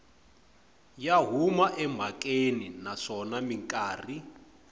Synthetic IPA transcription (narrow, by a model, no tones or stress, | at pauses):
jaɦumaʔɛmb̤ʱakʼeninaʂɔnamiŋkʼaːri